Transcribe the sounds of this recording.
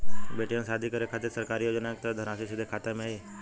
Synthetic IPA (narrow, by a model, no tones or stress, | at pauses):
beːʈijãnsaːd̪ʱikəɾekʰaːt̪ɪɾsəɾkaːɾijoːd͡ʒənak̚t̪əd̪ʱəɾaːsisɪd̪ʱekʰaːt̪emẽi